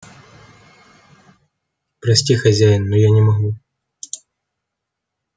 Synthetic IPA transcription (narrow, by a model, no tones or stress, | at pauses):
pɾɐsʲtʲixɐzʲajɪnːɔjanʲɪmɐɣu